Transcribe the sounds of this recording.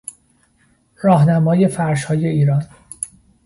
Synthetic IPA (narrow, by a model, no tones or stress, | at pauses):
ɾɒːɦnæmɒːje̞fæɾʃhɒːjeiːɾɒːn